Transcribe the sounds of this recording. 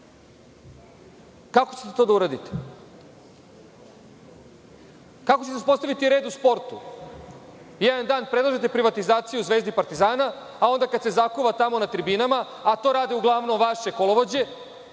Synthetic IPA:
kakot͡ɕe̥t̪et̪o̞ːd̪auɾad̪it̪e̥ | kakot͡ɕet̪espo̞st̪aʋit̪iɾe̞ːd̪uspo̞ɾt̪u | jed̪and̪aːnpɾed̪lˠaʒet̪̬e̞pɾiʋat̪izaːt̪sijuzʋeːzd̪ipaɾt̪izaːna | ao̞nd̪akad̪se̞zakuʋat̪amo̞nat̪ɾibinamaat̪o̞ːɾaːd̪iuɡlˠaʋno̞mʋaʃe̞koloʋo̞d͡ʑe̞

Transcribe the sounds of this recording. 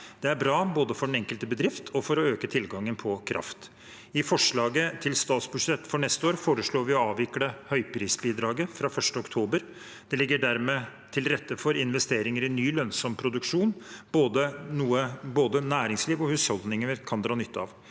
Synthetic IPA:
d̪̥ɛæɾbɾɑːboːd̪əfɔɖɛnɛŋkəlt̪əbəd̪ɾɪft̪ʰɔfɔɾɔøːkət̪ʰɪlɡɑŋːənpʰɔkʰɾʔɑ̰ft̪ | ɪfɔʂɭɑːɡət̪ʰɪlst̪ɑːt̪sbʉʂɛt̪ːfɔɳɛst̪əoːɾfoːɾəʂɭoːɾʋɪɔɑːʋɪkɽəhœʏpʰɾiːsbiːd̪ɾɑːɡəfɾɑfœʂʈəɔkt̪ʰuːbəɾ | d̪̥ɛlɪɡːəɖæɾmeː | t̪ʰɪlɾɛt̪ːəfɔɾɪnʋɛst̪eːɾɪŋəɾɪnːyːlœnsɔmpʰɾʊd̪ʉkʂuːnboːd̪ənuːəboːd̪ənæːɾɪŋsliːʋɔhʉshɔld̪nɪŋənəɾkʰɑnd̪ɾɑːnʏt̪ːəɑ̰ʋ

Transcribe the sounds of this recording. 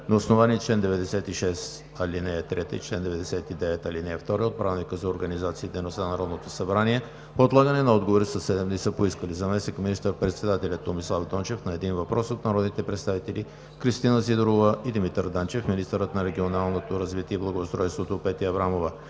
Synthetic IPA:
noːsnovaniɛt͡ʃlɛnd̪ɛvɛd̪ɛsɛt̪iʃɛs | ɐlinɛɛt̪ɾɛt̪ə̰it͡ʃlɛnd̪ɛvɛd̪ɛsɛt̪id̪ɛvɛt̪ɐlinɛːft̪ɔɾɛot̪̚pɾavnikəzɐoɾɡɐnizat̪siːd̪ɛjnost̪anɐɾɔd̪not̪osɐbɾaniɛ | poːt̪lˠaɡənɛnɐɔd̪ɡovoɾisəsːɛd̪ɛmnisəpoiskəlizɐmɛsnikminist̪əɾpɾɛt̪sɛd̪at̪ɛlʲɐt̪ːomislˠafd̪ɔnt͡ʃɛfnɐɛd̪invɐpɾʔɔsot̪nɐɾɔd̪nit̪ɛpɾɛt̪st̪avit̪ɛli | kɾist̪inəsid̪ɾovəʔid̪imit̪əɾd̪ant͡ʃɛfminist̪əɾət̪nɐɾɛɡʲionalˠnot̪oɾɐzvit̪ʲiɛiblˠɐɡoost̪ɾɔjst̪vot̪opɛt̪iɐbɾamovə

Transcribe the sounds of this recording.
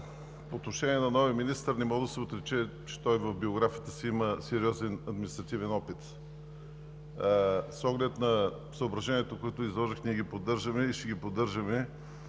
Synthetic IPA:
poːt̪noʃɛniɛnɐnɔviəminist̪əɾnɛmɔd̪əsɛot̪ɾɛt͡ʃɛ | t͡ʃɛ̥t̪ɔjvɐfbioɡɾafijət̪əsiiməsɛɾiɔzɛnɐd̪minist̪ɾɐt̪ivɛnɔpit̪ | sɔɡlɛt̪nɐ | səobɾɐʒɛniɛt̪okoɛt̪ʊizlˠɔʒixnʲiɛɡipod̪ːɤɾʒəmɛiʃɛɡipod̪ːɤɾʒəmɛ

